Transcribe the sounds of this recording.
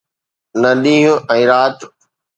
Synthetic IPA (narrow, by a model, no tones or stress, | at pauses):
nɐɗĩːɦũɛ̃ːɾaːt̪